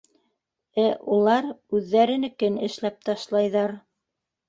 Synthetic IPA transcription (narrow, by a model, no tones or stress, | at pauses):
æʔulˠɑɾʉðːæɾɘ̆nɘkɘnɘ̆ʃlæp̚t̪ɑʃlˠɑjðɑɾ